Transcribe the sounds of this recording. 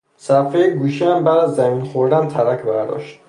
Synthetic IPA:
sæfejeɡuːʃiæmbæːd̪æzːæminxoɾd̪ænt̪ʰæɾæcʰbæɾd̪ɒ̰ːʃt̪

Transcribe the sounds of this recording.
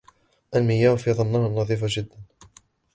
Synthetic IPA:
ʔalmɪjːaːfiːðˤɑnːaːhanːɑðˤiːfad͡ʒɪd̪ːan

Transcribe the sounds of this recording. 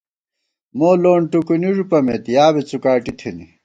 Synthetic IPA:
moːloːɳʈukuniʐupɐmet̪ijaːbet͡sukaːʈit̪ʰini

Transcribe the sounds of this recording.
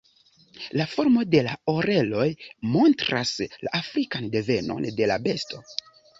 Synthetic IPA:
lafo̞ɾmo̞de̞laoɾe̞lo̞jmo̞ntɾasla̰ʔafɾikande̞ve̞no̞̰nde̞la̰be̞sto̞

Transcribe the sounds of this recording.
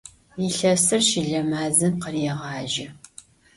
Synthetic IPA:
iɬɐsɨrʃiɮɐmaːzɨmqərɛʁɑːʒɪ

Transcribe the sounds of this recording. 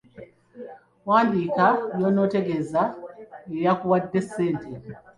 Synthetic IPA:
wandikajɔnɔtɛɡɛzajjakuwadɛsɛntɛ

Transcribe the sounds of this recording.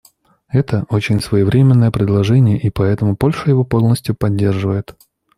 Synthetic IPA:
ɛt̪əʔo̞t͡ɕɪnʲsvəjɪvɾʲemʲɪnːəjəpɾʲɪd̪lˠɐʐɛnʲɪjəʔipɐɛt̪əmʊpo̞lʲʂəjɪvo̞po̞lˠnəsʲtʲjʊpɐdʲːe̞rʐɨvəjɪt̪

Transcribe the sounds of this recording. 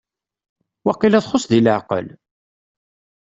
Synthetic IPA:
wɑqːilæθχosˤðiləʕqə̰l

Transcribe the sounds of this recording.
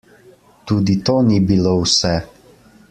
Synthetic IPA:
t̪uːd̪it̪oːnibilowsɛ

